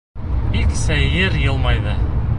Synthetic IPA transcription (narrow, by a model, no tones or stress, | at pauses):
biksæjɘɾjɤ̆lˠmɑjd̪ɤ